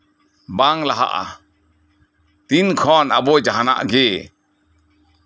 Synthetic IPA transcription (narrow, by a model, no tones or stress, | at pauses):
baŋlaɦa̰ʔa̰ | t̪inkʰɔnabɔjd͡ʒaɦana̰ʔɡɛ